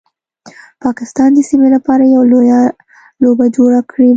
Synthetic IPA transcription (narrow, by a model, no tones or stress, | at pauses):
pɑkɪst̪ɑnd̪əsimelapɑɾajawloja | lobad͡ʒoɽakɽi